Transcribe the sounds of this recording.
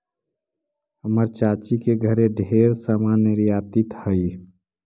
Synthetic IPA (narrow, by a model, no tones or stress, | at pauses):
ɦəməɾt͡ʃaːt͡ʃikeɡʱəɾeɖʱeɾsamanəɾjaːt̪ɪt̪həi